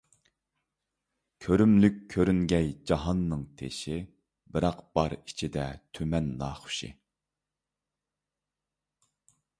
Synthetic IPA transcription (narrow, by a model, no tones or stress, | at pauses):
kʲʰøɾymlykʲʰːøɾyŋɡʲɛjd͡ʒɑɦɑnːɨŋt̪ʰḛʃi | bɪɾɑqb̥ɑɾi̥t͡ʃʰid̪ɛt̪ʰømɛnːɑːχʊ̥ʃɪ̰